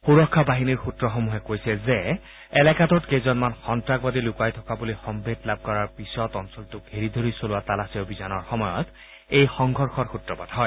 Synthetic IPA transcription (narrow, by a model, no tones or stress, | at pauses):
xuɹɔkʰːabaɦiniɹxutɹɔxomuɦɛkojsɛze | ɛlɛkatɔtkejzɔnmanxɔntɹak̚badilʊkajtʰɔkabulixɔmbʱetlab̚kɔɹaɹpisɔtɔnsɔltʊk̚ɦeɹid̪ʱoɹisolʊwatalasiobʱizanɔɹxɔmɔjɔt | ejxɔŋɡʱɔɹxɔɹxutɹɔpadɦɔj